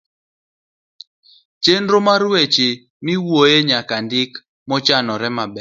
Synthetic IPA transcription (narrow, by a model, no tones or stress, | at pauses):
t͡ʃenɾomaɾwet͡ʃi | miwojeɲakandɪk | mɔt͡ʃanɔɾɛmabɛ